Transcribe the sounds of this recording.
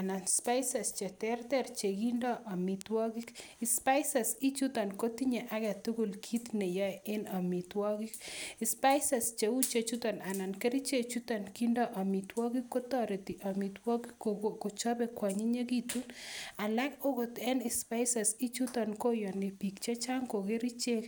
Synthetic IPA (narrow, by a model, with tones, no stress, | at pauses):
a˨na˨nspa˦jsa˨st͡ʃe˨tɛ˦rtɛ˦rt͡ʃe˨ki˦ndɔ˦ʔa˨mi˨twɔ˦ki˦kɪ˨spa˦jsa˨si˦t͡ʃu˦tɔ˨nko˦ti˦ɲe˨ʔa˦kɛ˨tu˦ku˨lkʰi˦t̪ne˨jɔ˦ɪ˦na˨mi˨twɔ˦ki˦kispa˦jsa˨st͡ʃe˨u˦t͡ʃe˨t͡ʃu˦tɔ˨na˨na˨nke˦ɾi˦t͡ʃe˦t͡ʃu˦tɔ˨nki˦ndɔ˦ʔa˨mi˨twɔ˦ki˦kːo˦tɔɾe˨ti˨ʔa˨mi˨twɔ˦ki˦ko˨ko˨ko˨t͡ʃɔ˦bɛ˨kwa˨ɲi˦ɲe˦ki˦tu˦na˨la˦ko˦ko˨tɛ˦nɪ˨spa˦jsa˨si˦t͡ʃu˦tɔ˨nko˦jɔ˨ne˨pi˨kt͡ʃe˦t͡ʃa˦ŋko˨ke˦ɾi˦t͡ʃe˦k